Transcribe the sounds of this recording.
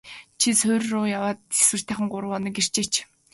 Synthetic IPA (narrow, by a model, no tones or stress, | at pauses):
t͡ɕʰisʊːɾ̆rʊːjawaːt̪̚iswɘ̆r̥t̪ʰæːχə̆ŋɢʊɾwɔnə̆ker̥t͡ɕeːt͡ɕʰ